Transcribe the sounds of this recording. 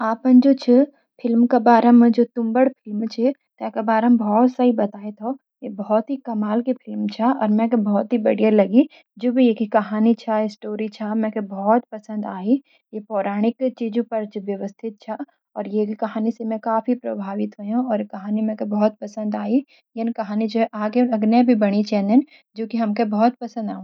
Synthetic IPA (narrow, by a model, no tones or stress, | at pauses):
aːpə̃nd͡ʒot͡ʃʰə | pʰɪlmkabaːɾəmẽd͡ʒoːt̪ʊmbəɽpʰɪlmt͡ʃʰet̪ɛkabaːɾəmbʱɔːt̪sɐibɐt̪aːet̪ʰo | jebɔɦɔt̪ɦikɐmaːlkepʰɪlmt͡ʃʰaɔ̰ːɾmɛ̃kebɔːt̪ɦibɐɽ̤ijalɐɡi | d͡ʒoːbʱijeːkikɐɦaːnit͡ʃʰaɪsʈoːɾit͡ʃʰamɛ̃kebɔːt̪pɐsə̃nd̪aːi | jepɔːɾaːɽ̃ɪkt͡ʃiːd͡ʒõpɐɾt͡ʃʋjɐʋəst̪ʰɪt̪̚t͡ʃʰa | ɔ̰ːɾjekkɐɦaːnisemɛ̃kaːfipɾɐ̰bʱaːʋɪt̪ɦojɦũɔːɾekɐɦaːnimɛ̃kebɔːt̪̚pɐsə̃nd̪aːi | jenkɐɦaːnid͡ʒoːɦɛʔaːɡeʊnɐɡnebʱibɐɽ̃it͡ʃɛ̃ːnd̪ən | d͡ʒoːkiɦɐmkebɔːt̪̚pɐsə̃nd̪a̰ːũː